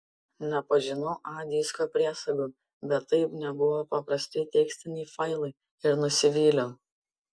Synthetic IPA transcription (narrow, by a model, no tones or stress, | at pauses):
nʲɛpɐʒʲɪnɐʊʔɑːd̪ʲiːskopʲɾʲiɛsɐɡʲoː | bʲɛt̪ːɐɪpnʲɛbʊʋoːpɐpɾɐsʲt̪ʲɪt̪ʲɛksʲt̪ʲɪnʲɛɪfɐɪlˠɐɪ | ɪɾnʊsʲɪʋʲiːlʲoː